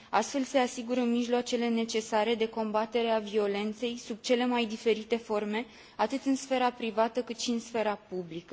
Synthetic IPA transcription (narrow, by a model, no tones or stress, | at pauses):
a̰st̪fe̞lse̞asiɡuɾəmiʒloat͡ʃe̞le̞ne̞t͡ʃe̞saɾe̞d̪e̞ko̞mbat̪e̞ɾe̞avio̞le̞nt̪se̞jsub̚t͡ʃe̞le̞majd̪ife̞ɾit̪e̞fo̞rme̞ | at̪ɨt̪ɨnsfe̞ɾapɾivat̪əkɨt̪ʃiɨnsfe̞ɾapublikə